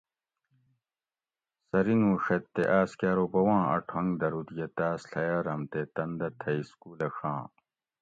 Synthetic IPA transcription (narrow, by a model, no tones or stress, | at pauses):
sɐɾinũːʂɐt̪ːeʔaːskjaːɾopɐwãːɐ̰ʈʰɐŋɡd̪ɐɾut̪jɐt̪aːsɬɐjaɾɐmt̪et̪ɐnd̪ɐt̪ʰɐiskuːlɐxʰãː